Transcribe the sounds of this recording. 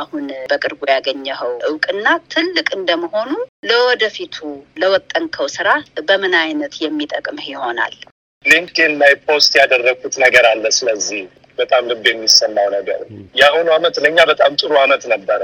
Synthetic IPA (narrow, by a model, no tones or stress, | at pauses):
ahunbəkʼɨɾbojaɡəɲːəhəwʔɨwkʼɨnːat̪ʰɨlːɨkʼɨnd̪əməho̞nuləwɔd̪əfit̪ʰuləwɔt̪ʼːəŋkʰəwsɨɾabəmɨnajnət̪jɛmːit̪ʼəkʼmhɪho̞na̰l | liŋkt̪inlajpʰost̪jad̪ərːəɡut̪nəɡəɾalːəsɨləzːih | b̥ət̪ʼamlɨɡjɛmːisəmːawnəɡə̰ɾjahunamət̪ləɲːabət̪ʼamt̪ʼɨɾuamət̪nəbːəɾə